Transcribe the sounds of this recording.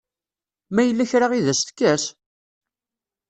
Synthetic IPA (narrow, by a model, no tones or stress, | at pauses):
mæjəlːæçɾaʁiðæsθkːæs